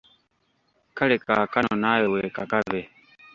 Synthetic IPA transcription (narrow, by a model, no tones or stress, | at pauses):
kʰəɽeːkaːkanoːnaːjoweːkakaʋe